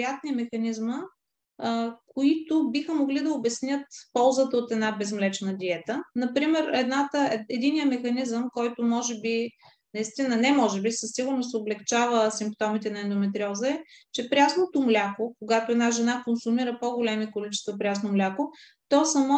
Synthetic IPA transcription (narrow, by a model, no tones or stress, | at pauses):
at̪niəmɛxɐnizmə | koit̪obixəmoɡlid̪ɐobɛsnʲjət̪pɔlˠzət̪əot̪ɛd̪nabɛzmlɛt͡ʃɛnəd̪iɛt̪ənɐpɾimɛɾɛd̪nat̪əɛɛd̪inijəmɛxɐnizəmkɔjt̪ʊmɔʒɛbi | nɐist̪inənɛmɔʒɛbisəsːiɡʊɾnosoblɛkt͡ʃavəsimpt̪ɔmit̪ɛnɐɛnd̪ʊmɛt̪ɾʲiɔzəɛt͡ʃɛpɾʲasnot̪ʊmlʲakokoɡat̪oɛd̪naʒɛnakonsumiɾəpoɡolɛmikolit͡ʃɛ̥st̪vɐpɾʲasnomlʲakʊ | t̪ɔsɐmɔ